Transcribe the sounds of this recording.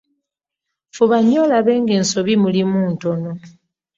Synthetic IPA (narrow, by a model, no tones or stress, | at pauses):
fuβaɲolaβe̞ːŋɡe̞ːnso̞βimulimuːnto̞no̞